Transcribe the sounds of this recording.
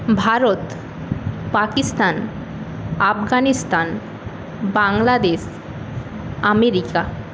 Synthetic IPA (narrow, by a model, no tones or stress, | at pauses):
bʱaɾot̪ | pakist̪an | afɡanist̪an | baŋlad̪eʃ | ameɾika